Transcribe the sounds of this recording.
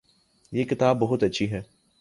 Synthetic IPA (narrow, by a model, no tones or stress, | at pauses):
jeːkɪt̪aːbːɐɦʊt̪ɐtːʃʰiɦɛː